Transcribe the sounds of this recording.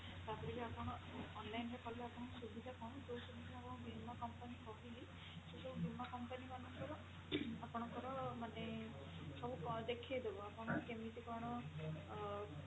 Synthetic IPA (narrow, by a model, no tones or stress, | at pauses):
t̪aɦɔɾiliapɔɽ̃ɔːnlajnɾekɔleapɔɽ̃ɔsubid̪ʱakɔɽ̃ɔd͡ʒowsɔbisiakɔɽ̃ɔ̃bimakɔmpanikɔɦili | sesɔbubimakɔmpanimanɔŋkɔɾɔ | apɔɽ̃ɔkɔɾɔmane | sɔbud̪ekʰejd̪ebɔapɔɽ̃ɔkemit̪ikɔɽ̃ɔ